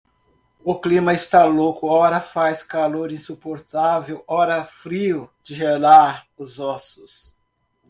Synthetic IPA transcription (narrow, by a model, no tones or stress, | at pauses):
ʊklĩmɐɪst̪alokʊɔɾɐfajskaloɾĩsupoɾt̪avewɔɾɐfɾiʊd͡ʒɪʒenaɾʊzɔsʊs